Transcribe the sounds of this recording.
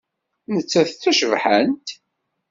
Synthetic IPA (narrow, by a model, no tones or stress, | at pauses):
nət͡sːæθθæʃəvħənt̪